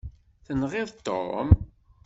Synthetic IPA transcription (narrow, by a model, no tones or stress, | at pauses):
θənʁɪðˤt̪ːo̰ɾ̰m